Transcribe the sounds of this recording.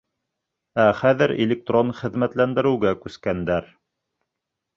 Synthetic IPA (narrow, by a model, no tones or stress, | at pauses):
æχæðɘɾḛlʲɪk̚t̪ronχɘ̆ðmæt̪lænd̪ɘ̆ɾɘ̆wɡækʉskænd̪æɾ